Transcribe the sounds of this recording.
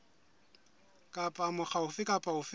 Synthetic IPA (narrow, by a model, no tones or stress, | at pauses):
kʼapʼamʊχaʊfɪkʼapʼaʊfɪ